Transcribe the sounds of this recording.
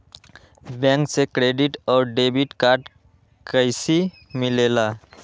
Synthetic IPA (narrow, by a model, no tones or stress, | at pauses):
bɛ̃ŋksekɾeɖɪʈɔːɾɖeːbɪʈkaːɾʈ | kəɪsi | mɪleːla